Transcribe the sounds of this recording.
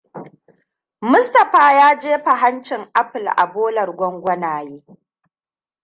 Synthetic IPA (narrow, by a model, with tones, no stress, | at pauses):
mʊ˦stɐ˨ɸaː˦jaː˦d͡ʒeː˦ɸa˨ɦa˦nt͡ʃɪ˨ŋʔa˦ɸɪ˨lʔa̰˨boː˦lɐ˨rɡʷɔ˦ŋɡʷɐ˦naː˨jeː˦